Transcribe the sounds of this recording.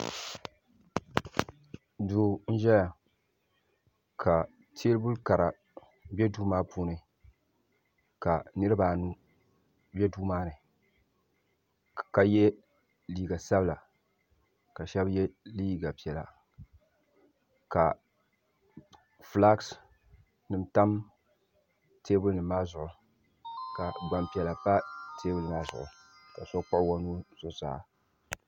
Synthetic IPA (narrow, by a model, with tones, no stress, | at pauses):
duː˨n̩˦ʒɛ˦ja˨ | kʰa˨ | tʰeː˦lbu˦lka˨ɾa˨ | bʲɛ˦duː˦maː˦puː˦nɨ˨ | ka˨nɨ˦ɾɨ˦ba˨nu˦ | bjɛ˦duː˦maː˦nɨ˨ | ka˨jɛ˦ | liː˦˨ɡa˨sa˦bla˨ | ka˨ʃɛ˦bjɛ˦liː˦ɡa˨pi˨ɛ˨la̰˨ | ka˨ | fla˦ks | nɨ˨mta˦m | tʰeː˦bɨ˦lnɨ˨maː˦zʊ˨ʔʊ˨ | ka˨ɡ͡ba˨mpi˨ɛ˨la˨pa˦tʰeː˦bʊ˦lɨ˨ma˦zʊ̰˨ʔʊ̰˨ka˨sɔ˦k͡pʊ˦ʔwa˦nu˦z̥ʊ˨za̰ː˦